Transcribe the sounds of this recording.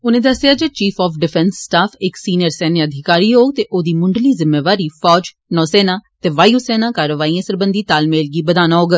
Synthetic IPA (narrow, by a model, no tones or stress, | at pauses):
ʊnẽːd̪əsɪjaːd͡ʒet͡ʃiːpʰɔːpɖɪpʰɛnsːʈaːpʰɪksiːnjəɾsɛːneəd̪ʱɪkaːɾiːɦoːɡ̚t̪eːʔoːd̪iːmʊɳɖliːzɪmːeːʋaːɾiːfʰɔːd͡ʒ | nɔːsɛːnaːt̪eːʋaːiuːsɛːnãːkaːɾəʋaːiːãːsəɾbənd̪iːt̪aːlmeːlɡiːbəd̪aːnaːɦoːɡə